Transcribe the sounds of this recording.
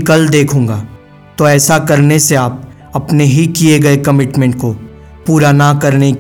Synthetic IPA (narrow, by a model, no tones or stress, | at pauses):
kɐld̪eːkʰũːŋɡaː | t̪oɛːsakɐɾneseaːp̚ | ɐpneɦikieɡɐekɐmɪʈmɛ̃ɳʈ̚ko | puːɾanakɐɾne